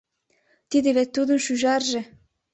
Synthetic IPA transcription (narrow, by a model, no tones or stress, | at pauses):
t̪id̪ɘ̆βæt̪̚ʲt̪ːud̪ɤ̆nʃyʒɑrʒɤ̆